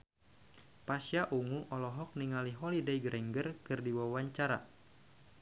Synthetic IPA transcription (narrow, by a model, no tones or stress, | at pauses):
pasjaʔuŋuʔɔlɔɦɔk̚niŋaliɦɔlidaiɡɾʔɛŋɡərkɨrdiwawaɲt͡ʃaɾa̰